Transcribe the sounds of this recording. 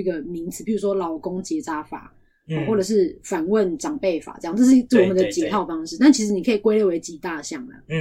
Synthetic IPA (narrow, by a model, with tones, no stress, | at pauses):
i˥˩ɡə˨mi˧˦ŋt͡sʰɹ̩˨˩pʰi˨˩u˧˥ʂwɔ˥lɑ˨˧˥ʊkʊ˦ŋt͡ɕjɛ˧˥t͡sa˥fa̰˨˩˨ | wɔ˥˩ʈ͡ʂə˨˩ʂ̬ɻ̩˥˩fa˨˩nwə˥˨nʈ͡ʂɑ˨˩ŋpe˥˩ɪfa̰˨˩ʈ͡ʂjɑ˥˨ŋt͡sʈ͡ʂɤ˥˧ʂ̬ɻt͡sə˥˩wɔ˨mə˨˦nd̪ə˨˩t͡ɕjɛ˨˩˦t̪ʰɑ˥˩ʊfɑ˥ŋʂɻ̩˥˧t̪a˥˨nt͡ɕʰi˧˥ʂ̬ɻ̩˧˥ni˨˩kʰə˧˥i˨˩kwe˥ɪlje˥˩we˧˥ɪt͡ɕi˨˩t̪a˥˧ɕjɑ˥˩ŋlə̰˩